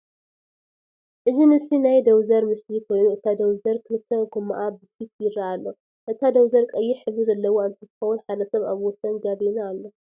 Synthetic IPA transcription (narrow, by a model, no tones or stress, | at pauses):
ʔɨzinɨsinajd̪ɐwzɐɾmɨslikʰo̞jnuʔɨt̪ʰad̪ɐwzɐɾkʰɨlɨt̪ʰːɐɡomːa̰ʔabɨt̪fit̪̚jɪɾaːlːo̞ | ʔɨt̪ʰad̪ɐwzɐɾkʼɐjːɪħɨβuzɐlːɐwoɨnt̪ʰɨt̪ʰɨxɐwunħad̪ɐsɐβaβwɔsɐnɡaβinaːlːo̞